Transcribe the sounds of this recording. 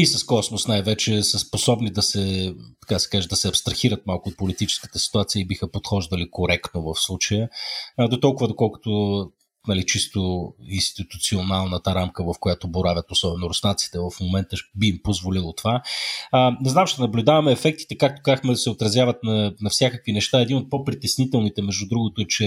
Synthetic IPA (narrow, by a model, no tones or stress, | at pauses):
isəskɔsmʊsnajvɛt͡ʃɛsəsposɔbnid̪ɐsɛt̪ɐ̥kad̪ɐsɛ̥kaʒɛd̪ɐsɛɐpst̪ɾɐxiɾət̪̚malˠkʊot̪̚polit̪it͡ʃɛ̥skə̥t̪ɛsi̥t̪uat̪siəibixəpot̪xɔʒd̪əlikoɾɛkt̪novɐfslˠut͡ʃəjəd̪ot̪ɔlˠkʊvəd̪okɔlˠkʊ̥t̪ʊ | nɐlit͡ʃist̪oinst̪it̪ut̪sionalˠnət̪əɾamkəvɐfkojat̪oboɾavʲət̪osɔbɛnʊɾʊsnat̪si̥t̪ɛvɐfmomɛnt̪əbiːmpozvolilˠot̪ova | nɛznamʃt̪ɛnɐblʲʊd̪avɐmɛːfɛk̚t̪i̥t̪ɛkak̚t̪o̥kazəxmɛd̪ɐsɛot̪ɾɐzʲjavɐt̪nɐnɐfsʲjakəkvinɛʃt̪aɛd̪inot̪̚popɾit̪ɛsnit̪ɛlˠnit̪ɛmɛʒd̪ud̪ɾuɡʊt̪ʊt͡ʃɛ